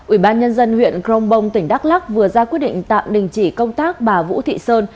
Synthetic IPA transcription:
ʔwi˧˩ɓaː˧nɲə˧nzə˧nhwḭ˧˨ənkɾə˧wŋ͡mɓə˧wŋ͡mt̪ï˧˩ŋ̟ɗa˦˥k̚la˦˥k̚vɨ˨˩əzaː˧kwəɗḭ˧˨ŋ̟t̪a̰ː˧˨wɗï˨˩ŋ̟t͡ɕi˧˩kə˧wŋ͡mt̪aː˦˥k̚ɓaː˨˩vṵ˧˥t̪ʰḭ˧˨səː˧n

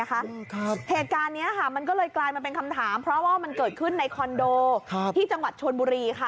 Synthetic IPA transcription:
kʰa˦˥ʔkʰa˦˥heː˨˩t̪̚kaː˧nːi˦˥ɐkʰa˥˩ma˧nk̬ɔː˥˩lɤː˧jklaː˧jmaː˧pe˧nkʰa˧mt̪ʰaː˩˦mpʰɾɔ˦˥waː˥˩ma˧nkɤː˨˩t̪̚kʰɯ˥˩nːa˧jkʰɔ˧ndoː˧˦iː˥˩t͡ɕa˧ŋwa˨˩t̪̚t͡ɕʰo˧nbuː˧ɾiː˧kʰa˥˩

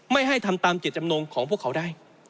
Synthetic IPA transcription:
ma˥˩jɦa˥˩jt̪ʰa˧mt̪aː˧mt͡ɕe˨˩t̪̚t͡ɕa˧mnoː˧nkʰɔː˩˦ŋpʰu˥˩əkʰːwdaː˥˩j

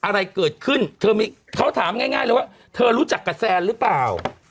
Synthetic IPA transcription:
ʔa˧ɾa˧jkɤː˨˩t̪̚kʰɯ˥˩nt̪ʰɤː˧miː˧ | kʰa˦˥wt̪ʰaː˩˦mŋaː˥˩jŋaː˥˩jlːəː˧˦wa˥˩ | t̪ʰɤː˧ɾuː˦˥t͡ɕa˨˩kːa˧sɛː˧nɾɯ˦˥plaː˨˩w

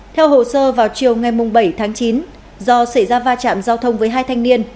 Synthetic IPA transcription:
t̪ʰɛ˧wɦo̰˧˨səː˧vaː˨˩wt͡ɕi˨˩əwŋa˨˩jmʊ˨˩ŋ͡mɓə˧˩jt̪ʰaː˨˦ŋt͡ɕi˨˦n | zɔ˧sa˧˩jzaː˧vaː˧t͡ɕa̰ː˧˨mzaː˧wt̪ʰə˧wŋ͡mvəː˨˦jɦaː˧jt̪ʰa˧jŋni˧ən

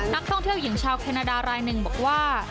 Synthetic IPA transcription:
na˦˥k̚t̪ʰɔ˥˩ŋt̪ʰi˥˩əwji˩˦ŋt͡ɕʰaː˧wkʰɛː˧naː˧daː˧ɾaː˧jnɯ˨˩ŋbɔː˨˩k̚waː˥˩

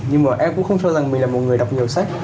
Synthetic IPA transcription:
ɲɨ˧ŋmaː˨˩ʔɛ˧mkʊ̰˧˥xə˧wŋ͡mt͡ɕɔ˧za˨˩ŋmï˨˩ŋlaː˨˩mo˨˩t̚ŋɨ˨˩əjɗa˨˩wk͡p̚ɲi˨˩əwsa˦˥k̚

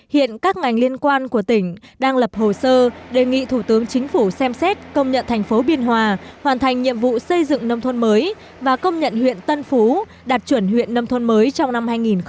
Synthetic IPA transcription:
hḭ˧˨ənkaː˦˥k̚ŋa˨˩jŋ̟li˧ənkwaː˧nku˧˩ət̪ï˧˩ŋ̟ɗaː˧ŋlə˨˩p̚ho˨˩səː˧ɗe˨˩ŋḭ˧˨t̪ʰu˧˩t̪ɨ˨˦əŋt͡ɕï˨˦ŋ̟fu˧˩sɛ˧msɛ˦˥t̚kə˧wŋ͡mɲə̰˧˨nt̪ʰa˨˩ŋ̟fo˨˦ɓi˧ənɦwaː˨˩hwaː˨˩nt̪ʰa˨˩jŋ̟ɲḭ˧˨əmvṵ˧˨sə˧jzɨ̰˧˨ŋnə˧wŋ͡mt̪ʰə˧nməː˨˦j | vaː˨˩kə˧wŋ͡mɲə̰˧˨nhwḭ˧˨ənt̪ə˧nfu˨˦ | ɗa˨˩t̚t͡ɕwə˧˩nhwḭ˧˨ənːə˧mt̪ʰə˧nməː˨˦jt͡ɕɔ˧wŋ͡mna˧mhaː˧jŋi˨˩n

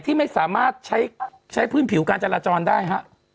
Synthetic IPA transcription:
t̪ʰiː˥˩ma˥˩jsaː˩˦maː˥˩t̪̚t͡ɕʰa˦˥j | t͡ɕʰa˦˥jpʰɯː˥˩npʰi˩˦wkaː˧nt͡ɕa˧laː˧t͡ɕɔː˧ndaː˥˩jɦa˦˥ʔ

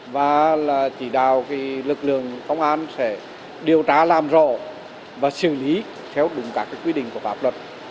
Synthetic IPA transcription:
vaː˨˩laː˨˩t͡ɕi˧˩ɗaː˨wki˨˦lɨ˨˩k̚lɨ̰˧˨əŋkə˧wŋ͡mʔaː˧nsɛ˧˩ | ɗi˨˩əwt̪aː˧˩˦laː˨˩mzɔ˧˩ | vaː˨˩sɨ˧˩li˨˦ | t̪ʰɛ˧wɗʊ˨˦ŋ͡mkaː˦˥kːaː˨˦kwi˧ɗḭ̈˧˨ŋ̟ku˧˩əfaː˦˥p̚lwə˨˩t̚

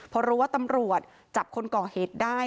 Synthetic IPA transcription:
pʰɔ˧ɾuː˦waː˥˩t̪a˧mɾu˨˩ət̪̚ | t͡ɕa˨˩p̚kʰo˧nkɔː˨˩heː˨˩t̪̚daː˥˩

